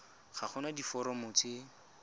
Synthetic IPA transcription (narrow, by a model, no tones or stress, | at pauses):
χaχʊnadifɔɾɔmʊt͡sɪ